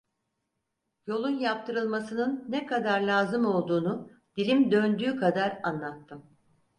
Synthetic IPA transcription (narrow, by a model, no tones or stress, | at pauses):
jo̞lˠunjap̚t̪ʰɯɾɯlˠmasɯnɯnːɛkʰad̪aɾlʲaːzɯmo̞lˠd̪uːnud̪̥ilʲimd̪ø̞nd̪yːkʰad̪aɾanlˠat̪ːɯm